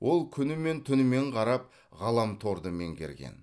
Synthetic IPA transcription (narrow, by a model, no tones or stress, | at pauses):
wʔo̞lˠkʲʰʏnɪme̞nt̪ʰʏnɪme̞ɴqʰɑɾɑp̚ | ʁɑlˠɑmt̪ʰo̞ɾd̪əme̞̰ŋɡʲeɾɡʲḛn